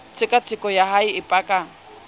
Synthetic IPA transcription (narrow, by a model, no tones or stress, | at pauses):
t͡sʰʼɪkʼat͡sʰɪkʼɔjahaiɪpʼakʼa